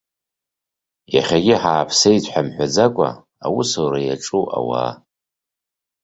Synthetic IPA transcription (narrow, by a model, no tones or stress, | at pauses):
jaχʲaɡʲɪħaːpʰsejzʷʰʼħamħʷᶣad͡zakʷʼa̰ | awusowɾajaʈ͡ʂʼuwʔa̰wa̰ː